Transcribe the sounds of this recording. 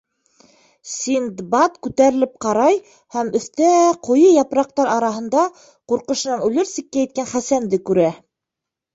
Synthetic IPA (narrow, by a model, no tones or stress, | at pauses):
sind̪bɑt̪kʉt̪æɾɘ̆lɘp̚qɑɾɑj | hæmɵ̆θt̪æqʰŏjɤjɑpɾɑq̚t̪ɑɾɑɾɑɦɤ̆nd̪ɑ | quɾqɤ̆ʃɤ̆nɑnʉlɘɾsikːæjɘ̆t̪̚kænχæsænd̪ɘkʉɾæ